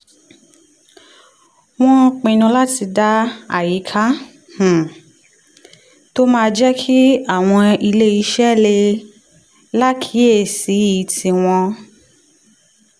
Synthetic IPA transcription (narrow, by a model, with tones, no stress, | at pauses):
w̃ɔ̃˦k͡pĩ˧nũ˧la˦ti˧da˦a̰˦˨ji˨˦kʰa˦ | h̩˨ | to˦mãː˦˧d͡ʒɛ˦kʰi˦a˦˨w̃ɔ̃˧i˧le˦i˧ʃɛ˦˨le˧ | la˦kʰi˨˦e˦˨si˨˦i˨˦ti˧w̃ɔ̃˧